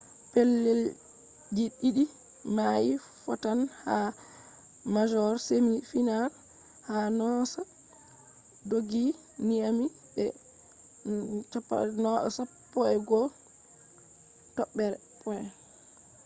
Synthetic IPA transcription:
pɛlːɛl | d͡ʒiɗiɗi | maji | fɔtanha | mad͡ʒɔɾsemifinaɾ | hanɔsa | doɡi | niami | ɓɛ̰ | t͡ʃɔpːa̰nɔʔɔ̰sapːɔɛɡɔ | tɔɓːɛɾɛ | pʰɔɛ

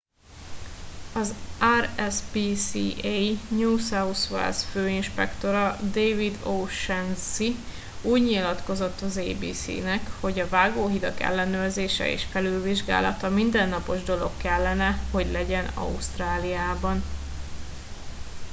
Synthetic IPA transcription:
ɒzaːrɛsbiːsiʔejɲuːsausʋɛ̰lsføːinʃpɛ̰kt̪o̞ɾɒd̪eːvid̪owʃɛnsi | uːɟɲilɒt̪ko̞zo̞t̪ːɒzeːbḭːsḭːnɛkho̞ɟɒvaːɡoːɦid̪ɒkɛ̰lːɛnøːrzeːʃɛ̰ḛːʃfɛlylviʒɡa̰ːlɒ̰t̪ɒmind̪ɛnːɒpo̞ʒd̪o̞lo̞kːɛlːɛnɛho̞ɟlɛɟɛnɒ̰ust̪raːlijaːbɒn

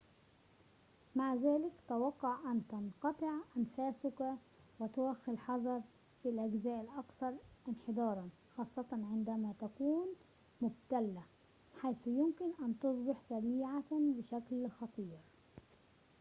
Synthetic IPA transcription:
maʕzæːlɪkt̪awɑqːɑʕʔant̪ɑnqɑt̪ˤɨʕʔanfaːsʊk | wɪt̪ʊwaxːɪlħɑðˤɑɾˤ | filʔaɡzæːʔɪlʔɑkθɑɾˤʔɪnħɪd̪ˤɑːɾˤɑn | xɑːsˤːɑt̪ɑnʕɪnd̪æmat̪akuːn | mʊbt̪alːa | ħajsjʊmkɪnʔant̪ʊsˤbɪħsaɾiːʕabɪʃæklxɑt̪ˤiːɾ

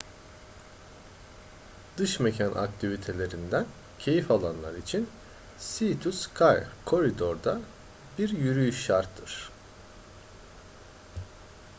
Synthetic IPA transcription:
d̪ɯʃme̞cʰanʔa̰k̚t̪ʰivit̪ʰe̞lʲe̞ɾind̪æn | cʰe̞jifalˠanlˠa̰ɾit͡ʃʰin | sit̪ʰuskʰajkʰo̞ɾid̪oɾd̪a | biɾjyɾyjyʃaɾt̪ʰːɯɾ̥

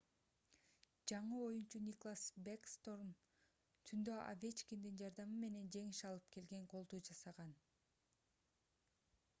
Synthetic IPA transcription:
d͡ʒɑɴɯo̞junt͡ʃunʲiklˠasbekst̪o̞rm | t̪ʰynd̪øʔa̰vʲet͡ʃkʲind̪ind͡ʒɑɾd̪ɑmɯme̞ne̞nd͡ʒe̞ŋiʃɑlˠɯpke̞lɡe̞ɴqʰo̞lˠd̪uːd͡ʒɑsɑʁɑn

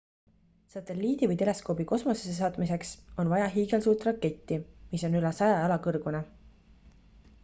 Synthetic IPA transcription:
sɑt̪ˑe̞lːiːd̪̥ivɤjt̪e̞le̞sko̞biko̞smo̞sesesɑːt̪mise̞kso̞nvɑjɑɦiːɡe̞lsuːt̪ːˑrɑkːe̞t̪ːimiso̞nylɛsɑjɑɑlɑkɤrɡ̥une

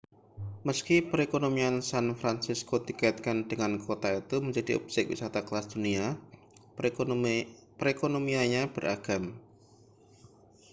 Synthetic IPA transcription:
məskipəɾekonomiansanfɾansiskodikait̪̚kandəŋankot̪ait̪uməɲd͡ʒadḭʔɔ̰p̚sɪk̚wḭsat̪akəlasd̪̥unia | pəɾekonomiaɲab̥ərʔaɡ̥am

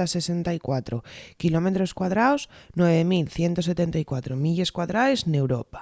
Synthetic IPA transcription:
ase̞se̞nt̪aikwat̪ɾokilo̞me̞t̪ɾo̞skwaðɾaoznwe̞β̞emilθje̞nt̪o̞s̬e̞t̪e̞nt̪aikwat̪ɾomiʎe̞skwaðɾaeznewɾopḁ

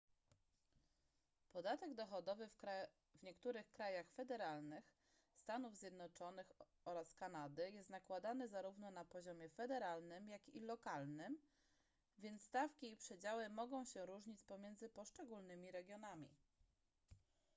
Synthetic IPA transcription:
pɔd̪at̪ɛɡd̪ɔxɔd̪ɔvɘ | vɲɛkt̪uɾɘxkɾajaxfɛd̪ɛɾalnɘx | st̪anuvzʲjɛd̪nɔt͡ʂɔnɘx | ɔɾaskanad̪ɘjɛst̪nakwad̪anɘzaɾuvnɔnapɔʑɔmʲjɛfɛd̪ɛɾalnɘmjakilɔkalnɘm | vʲjɛnt̪st̪afkʲiːpʂɛd͡ʑawɘmɔɡɔ̃w̃ɕɛɾuʐɲit͡ɕpɔmʲjɛnd̪zɘpɔʂt͡ʂɛɡulnɘmʲiɾɛɡʲjɔnamʲḭ

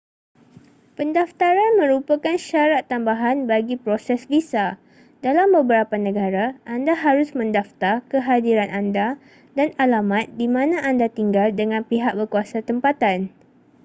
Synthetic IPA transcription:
pəndaft̪aɾanmə̃ɾupakanʃaɾat̪ːambaɦanbaɡipɾosɛsbisa | dalambəbəɾapanə̃ɡaɾaʔandaɦaɾʊsmə̃ndaft̪arkəɦadiɾanʔanda | danalamat̪̚dimãnãʔandat̪iŋɡaldəŋãnpiɦak̚bəkuasat̪əmpat̪an

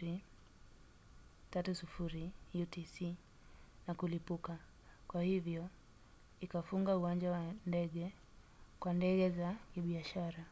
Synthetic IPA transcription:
i | tatusufuɾijutisi | nakulipuka | kwahivjɔ | ikafuŋɡauwand͡ʒawandɛɠɛ | kwandɛɠɛzakiɓiaʃaɾa

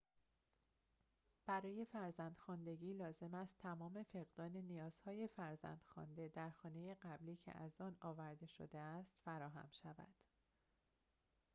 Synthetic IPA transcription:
b̥æɾɒːje̞fæɾzænd̪̥xɒnd̪e̞ɟiːlɒːze̞mæst̪ʰæmɒːme̞fe̞ɣd̪ɒːne̞nijɒːz̥hɒːje̞fæɾzæ̰nd̪̥xɒ̰nd̪e̞d̪æɾxɒːne̞je̞ɢæbliːcʰḛʔæzɒːnɒːvæɾd̪e̞ʃo̰d̪eæst̪fæɾɒːɦæ̰mʃævæ̰d̪̥

